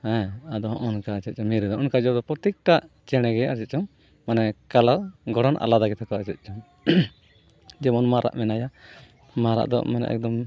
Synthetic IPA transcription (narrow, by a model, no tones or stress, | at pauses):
hɛ̃ad̪ɔɦɔʔɔnkaːt͡ʃɛt̪̚t͡ʃɔmiɾɛd̪ɔʔɔnkad͡ʒɔd̪ɔpɾɔt̪ik̚ʈaʔ | t͡ʃɛɽ̃ɛɡɛat͡ʃɛt̪̚t͡ʃɔŋ | manɛkalaɡɔɽanʔa̰lad̪aɡɛt̪ʰɛkɔat͡ʃɛt̪̚ˀt͡ʃɔŋ | d͡ʒɛmɔnmaɾa̰ʔmɛnaja | maɾa̰ʔd̪ɔ̰ʔmɛna̰ʔɛ̰k̚d̪ɔm